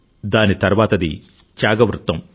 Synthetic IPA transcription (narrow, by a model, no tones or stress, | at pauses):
d̪aːnit̪ɐɾʋaːt̪ɐd̪ḭ | t͡ʃjaːɡɐʋɾut̪ːɐm